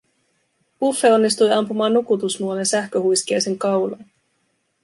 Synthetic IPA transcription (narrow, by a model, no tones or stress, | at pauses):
ufːe̞o̞nːist̪ujɑmpumɑːnːukut̪usnuolensæhkø̞hujsk̟ejseŋkɑwlɑn